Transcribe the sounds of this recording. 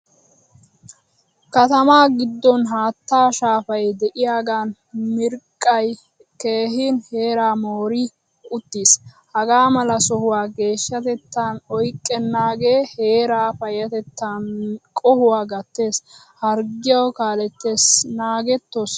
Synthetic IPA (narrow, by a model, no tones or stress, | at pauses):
kɐt̪ɐmaːɡɪd̪ːɔnɦaːt̪ːaːʃaːfɐjd̪ɛʔɪjaːɡaːn | mɪɾkʼːɐj | ke̞ːɦɪnhe̞ːɾaːmoːɾɪ | ʊt̪ːiːshɐɡaːmɐlɐsɔhʊwaːɡe̞ːʃːɐt̪ɛt̪ːaːnɔjkʼːɛnːaːɡe̞ːhe̞ːɾaːfɐjɐt̪ɛt̪ːaːnkʼɔhʊwaːɡɐt̪ːe̞ːs | hɐɾɡɪjɐwkaːlɛt̪ːe̞ːsnaːɡɛt̪ːɔs